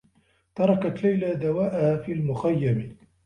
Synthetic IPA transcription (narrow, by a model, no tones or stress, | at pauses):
t̪ɑɾˤɑkat̪lajlad̪awaːʔahaːfiːlmʊxajːam